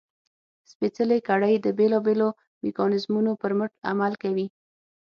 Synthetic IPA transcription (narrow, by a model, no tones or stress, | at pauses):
spet͡səlekaɽəjd̪əbelɑbelo | mekɑnɪzmunopəɾməʈa̰malkawi